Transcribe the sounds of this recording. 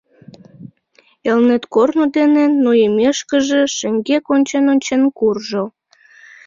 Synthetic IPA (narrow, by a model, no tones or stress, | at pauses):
elnet̪kornod̪enenːoemeʃkəʒĕʃə̆ŋɡekonʲt͡ɕenonʲt͡ɕenkurʒo